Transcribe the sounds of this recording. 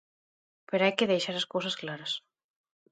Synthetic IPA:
peɾoajkeðejʃaɾɐskosɐsklaɾɐs

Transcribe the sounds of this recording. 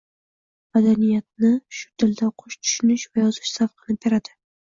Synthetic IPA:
mad̪anijat̪̚nɪʃʊ̥t̪ʰɪld̪aqʰʊʃt̪ʰʊ̥ʃʊnɪʃvajɒzɪʃsafqʰɨnɪp̚beɾad̪ɪ

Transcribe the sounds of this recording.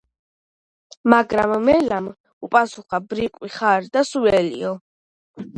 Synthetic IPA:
maɡɾamːɛlam | upʼasuχabɾikʼwiχaɾd̪asuɛlḭɔ

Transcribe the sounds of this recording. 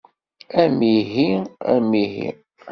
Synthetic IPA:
æmiɦiæ̰miɦḭ

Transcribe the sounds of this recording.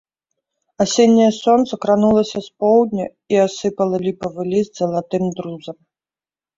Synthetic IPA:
asʲenʲːɐjɐsɔnt̪sɐkɾanulˠɐsʲɐspɔwd̪ʲnʲɐ | iasɨpɐlˠɐlʲipɐvɨlʲizʲd̪zɐlˠat̪ɨmd̪ɾuzɐm

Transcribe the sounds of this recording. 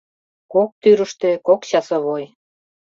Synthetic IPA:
kok̚t̪yɾəʃt̪ekokɕɑsəβoj

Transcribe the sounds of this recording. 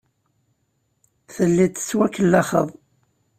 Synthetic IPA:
θəlːit̪ːə̥swækːəlːɑχə̰ðˤ

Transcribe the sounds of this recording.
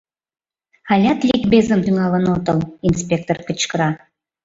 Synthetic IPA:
ɑlʲɑt̪lʲikbezə̆mt̪yŋɑlə̆not̪ɤlinspʲek̚t̪orkə̆t͡ɕkəɾɑ

